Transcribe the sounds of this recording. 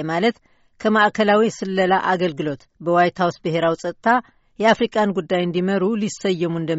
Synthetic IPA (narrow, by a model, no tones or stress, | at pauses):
malət̪ | kʰəmaʔkʰəlawisɨlːəlaʔaɡəlɡɨlo̞t̪ | bəwajt̪ʰawsbɨɦe̞ɾawisʼət̪ʼt̪ʰa | jɛafɾikʼanɡud̪ːajɨnd̪iməɾulisəjːɛmuɨnd̪ə